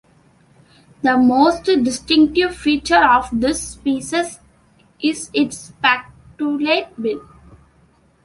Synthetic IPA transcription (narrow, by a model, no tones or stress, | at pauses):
d̪əmoːsʈɖɪsʈɪ̃ŋk̚ʈɪʋfiːt͡ʃəɾɔːʋd̪ɪspiːsɪz | ʔɪzɪʈspæk̚ʈuleːʈ̚bɪ̃n